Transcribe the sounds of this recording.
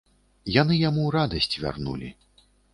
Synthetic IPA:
janɨjamuɾad̪ɐsʲt͡sʲvʲa̰rnṵlʲḭ

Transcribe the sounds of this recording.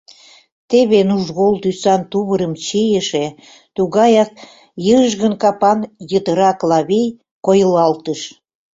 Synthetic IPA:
t̪eβenuʒɣolt̪ysɑnt̪uβəɾəmt͡ɕijəʃe | t̪uɣɑjɑk̚ | jəʃ̬ɣənkɑpɑnjət̪əɾɑklɑβej | kojəlɑlt̪əʃ

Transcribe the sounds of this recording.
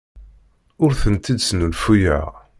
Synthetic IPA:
ʊɾθənt̪id̪snulfujə̰ʁ

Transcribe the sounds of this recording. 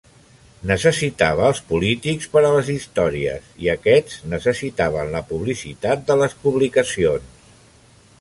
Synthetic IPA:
nəsəsit̪aβ̞əːlˠspulit̪ikspəɾələzist̪ɔɾiə̰siəkɛdznəsəsit̪aβ̞ənləpuβlisit̪at̪̚d̪ələspuβlikəsions

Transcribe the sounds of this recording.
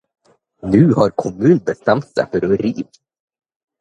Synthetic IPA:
nʉ̟ːhaɾkʰɔmʉ̟ːnbəst̪ɛmt̪sɛ̰fœɾɔɾiːv

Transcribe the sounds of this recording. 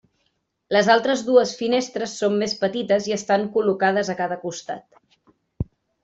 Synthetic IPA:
ləzalˠt̪ɾəzðuəsfinest̪ɾəsːomːespət̪it̪əziəst̪aŋkulukað̞əzəkaðəkust̪a̰t̪

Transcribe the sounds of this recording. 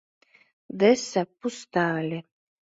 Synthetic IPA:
d̪ɛsapust̪aːlʲe

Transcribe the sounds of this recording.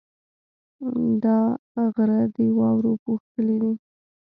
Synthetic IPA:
d̪ɑɣɾad̪əwɑwɾopuxt̪əled̪i

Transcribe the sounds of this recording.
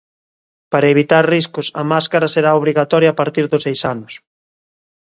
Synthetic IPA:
paɾɐeβit̪aɾriskʊsɐ̰maskaɾɐseɾaoβ̞ɾiɣat̪ɔɾjaːpaɾt̪iɾðʊsejsanʊs

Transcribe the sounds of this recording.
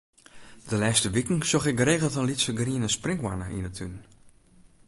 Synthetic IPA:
d̥əlɛːstəʋikŋ̩sɔxɪk̚ɡəɾeːɣəl̩ˠtənlitsəɡriənəsprɪŋkwa̰nəʔḭnətʰyn

